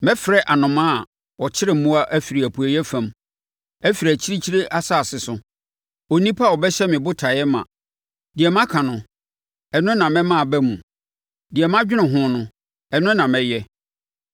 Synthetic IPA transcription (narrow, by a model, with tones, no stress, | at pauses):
mɛ̃˦fɾɛ˦ʔa˨nʊ̃˨mã˦˨ | wɔ˨t͡ɕʰɪ˦ɾɪ˨m̩˦mũ˦a˦ʔæ˦fi˨ɾi˨æ˨pʰu˨æ˨jɛ˦fã˨m | ɛ˦fi˨ɾi˨æ˨t͡ɕʰi˦ɾi˦t͡ɕʰi˦ɾe˦ʔa˦sa˦˨sɪ˨sʊ˨ | o˨nĩ˦pʰa˦˨ɔ˨bɛ˦ɕɛ˦mɪ̃˨bʊ˦tʰa˨jɛ˦mã̰˨ | dɪ˨ɛ˨m˦ã˦kʰã˨nʊ̃˨ | ɛ˨nʊ̃˦nã˨mɛ̃˦mã˦˨bɛ˦mũ˨ | dɪ˨ɛ˨m˦ã˦d͡ʑᶣɪ˦nʊ̃˨ɦʊ̃˦nʊ̃˦ | ɛ˨nʊ̃˦nã˨mɛ̃˨jɛ˦